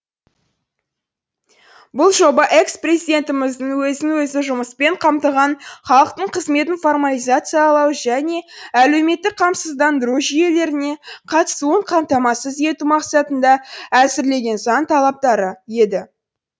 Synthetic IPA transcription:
bʊlˠʒo̞bɑʔe̞ksprezid̪e̞nt̪ɪmɪzd̪əɴwɵzɪŋwɵzɪʒʊməspe̞ɴqʰɑmt̪əʁɑnχɑlˠəq̚t̪əɴqʰəzme̞t̪ɪnfo̞rmalijzat̪sɨjɑːlˠɑwʒæne̞æle̞wme̞t̪ːɪk̚qʰɑmsəzd̪ɑnd̪əɾuʒije̞le̞ɾɪne̞qʰɑt̪ə̥suəɴqʰɑmt̪ɑmɑsəze̞t̪umɑqsɑt̪ənd̪ɑæsɪɾle̞ɡʲe̞nzɑnt̪ʰɑlˠɑp̚t̪ɑɾəje̞d̪ɪ

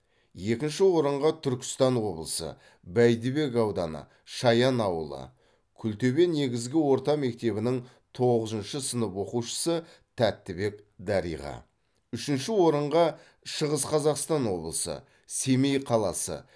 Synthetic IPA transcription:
je̞kʲɪnʃɪwo̞ɾəɴʁɑt̪ʰʏɾkʲɪ̥st̪ɑnwo̞blˠəsə̰ | bæjd̪ɪbe̞kɑwd̪ɑ̰nə̰ | ʃɑjɑnɑwəlˠə̰ | kʲʰʏlt̪e̞be̞nːe̞ɡʲɪzɡʲɪwo̞ɾt̪ɑme̞k̚t̪e̞βɪnɪŋ | t̪ʰo̞ʁəzənʃəsənəpwo̞quʃə̥sə | t̪ʰæt̪ːɪbe̞k | d̪ɑɾḭjʁɑ̰ | ʏʃɪnʃɪwo̞ɾəɴʁɑ | ʃəʁəsqʰɑzɑqst̪ɑnwo̞̰blˠəsə̰ | se̞mejqʰɑlˠɑsə̰

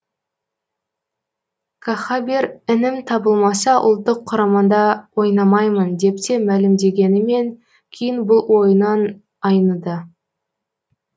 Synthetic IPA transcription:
kʰaχabeɾɪnɪmt̪ʰɑbəlˠmɑsɑʔʊ̰lˠt̪ːəqʰːʊɾɑmɑnd̪ɑwo̞jnɑmɑjmənd̪e̞p̚t̪e̞mælɪmd̪e̞ɡʲe̞nɪme̞ŋ | kʲʰejɪnbʊlˠwo̞jənɑn | ɑjnəd̪ə

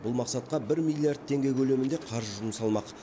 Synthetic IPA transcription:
bʊlˠmɑqsɑt̪̚qɑbɪɾmʲijlʲːiaɾd̪̚t̪ʰe̞ŋɡʲe̞jkʲʰɵle̞mɪnd̪eqʰɑɾʒʒʊməsɑlˠmɑq

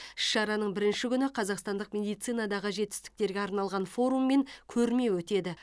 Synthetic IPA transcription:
ɪ̥ʃʃɑɾɑnəɴbɪɾɪnʃɪkʲʰʏnɪqʰɑzɑqst̪ɑnd̪əqmʲe̞d̪ijt̪sijnɑd̪ɑʁəʒe̞t̪ɪ̥st̪ɪ̥k̚t̪e̞ɾɡʲeɑɾnɑlˠʁɑnfo̞ɾumːe̞ŋkʲʰɵɾme̞wɵt̪e̞d̪ɪ

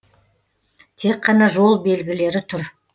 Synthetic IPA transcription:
t̪ʰe̞qʰːɑnɑʒo̞lˠbe̞lɡʲɪle̞ɾɪt̪ʰʊɾ

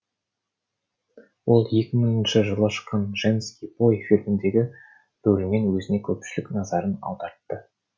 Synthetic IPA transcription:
wo̞lˠje̞kʲɪmɪŋɪnʃɪʒəlˠɑʃəqɑnʒenskʲibo̞jfilmɪnd̪e̞ɡʲɪ | b̥ɵlɪme̞nwɵzɪne̞kʲʰɵpʃɪlɪknɑzɑɾənɑ̰w̪ˠd̪ɑɾt̪ːə

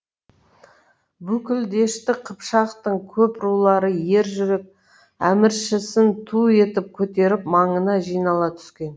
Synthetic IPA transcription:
bʉkʲɪld̪e̞ʃt̪ɪqʰəpʃɑqt̪əɴkʲʰɵpɾulˠɑɾəje̞ɾʒʏɾe̞k̚ | æ̰mɪɾʃɪsɪnt̪ʰue̞t̪ɪp̚kʲʰɵt̪e̞ɾɪpmɑɴənɑʒijnɑlˠɑt̪ʰʏ̥skʲe̞n

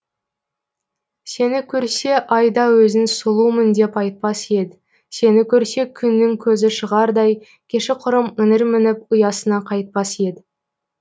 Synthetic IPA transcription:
se̞nɪkʲʰɵɾse̞ʔɑjd̪ɑwɵzɪnsʊlˠumənd̪e̞pɑjt̪̚pɑse̞d̪ɪ | se̞nɪkʲʰɵɾse̞kʲʰʏnːɪŋkʲʰɵzɪʃəʁɑɾd̪ɑj | kʲʰe̞ʃɪqʰʊɾəmɪnɪɾmɪnɪp̚ʊjɑsənɑqʰɑjt̪̚pɑsje̞d̪ɪ

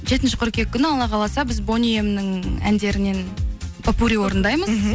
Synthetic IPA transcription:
ʒe̞t̪ɪnʃɪ̥qʰʊɾkʲe̞kʲːʏnɪɑlˠɑʁɑlˠɑsɑbɪzbo̞nʲijemnɪŋæ̰nd̪e̞ɾɪne̞npʰapuɾʲiwo̞ɾənd̪ɑjməz

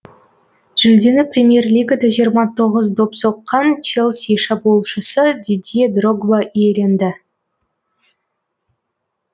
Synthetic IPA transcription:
ʒ̥ʏld̪e̞nɪprʲemʲije̞rlʲiɡad̪aʒijəɾmɑt̪ʰo̞ʁəzd̪opsoqːɑnt͡ʃelˠseʃɑbolˠʃəsəd̪ʲid̪ʲied̪roɡvaʔijele̞nd̪ɪ

